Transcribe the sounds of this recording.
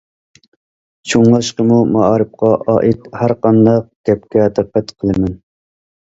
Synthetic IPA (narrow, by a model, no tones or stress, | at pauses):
t͡ʃʰoŋlˠɑʃqəmumɑɑːɾɨp̚qɑʔɑ̰ːʔit̪hæɾqɑnd̪ɑq̚ɡ̥ʲɛpkʲɛd̪əqːæt̪qʰəlˠɨmɛn